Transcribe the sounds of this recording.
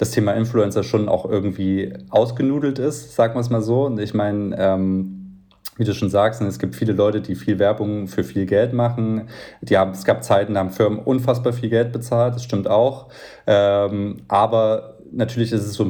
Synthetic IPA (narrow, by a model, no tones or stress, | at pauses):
d̥astʰeːmaʔɪnfluɛnt͡sɐʃoːna̰ʊxʔɪɐɡŋ̩tv̥iːʔaʊsɡ̥ənuːdl̩tɪstz̥aːk̚mans̬maːlzoːnɪçmaɪnəʔɛːm | viːduːʃoːnzaːkstnəɛsɡ̥iːp̚tfiːləlɔʏtədiːfiːlvɛɐbʊŋfyːɐfiːlɡɛltmaχn̩d̥iːhaːbm̩ɛsɡ̥aːp̚t͡saɪtn̩dihaːbm̩fɪɐmənʔʊnfasb̥aːɐfiːlɡɛlt̚b̥ət͡saːlt̚d̥asʃtɪmtaʊx | ʔɛːmʔaːbɐ | natʰyːɐlɪçɪstɛsz̥oː